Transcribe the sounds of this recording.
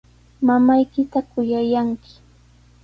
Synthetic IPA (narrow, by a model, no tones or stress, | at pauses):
mamajkɪt̪akʊjajaŋkɪ̥